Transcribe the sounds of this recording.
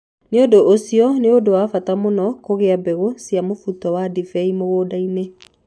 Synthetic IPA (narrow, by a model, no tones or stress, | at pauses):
neodoʔːsiɔneodowafatamonɔkoɣeabɛɣosijamofutɔwadifɛimoɣoːdaine